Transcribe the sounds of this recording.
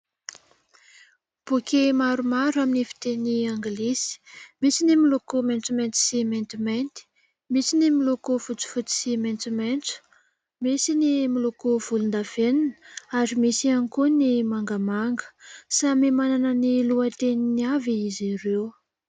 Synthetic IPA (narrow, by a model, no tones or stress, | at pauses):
b̥ukemaɾumaɾaminifi̥t̪eniaŋɡlisi̥misinimilukument͡sument͡s̪i̥siment̪iment̪i̥ | misinimilukufut͡su̥fut͡si̥siment͡sument͡su̥ | misinimilukuv̥ulund̪av̥eninəaɾimisianikunimaŋɡəmaŋɡə̥samemananəniluət̪eniniaviiziɾew